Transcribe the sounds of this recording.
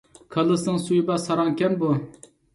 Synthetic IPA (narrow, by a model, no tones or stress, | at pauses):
kʰɑlˠɨsnɨŋsujbɑsɑɾɑŋkʲɛnbu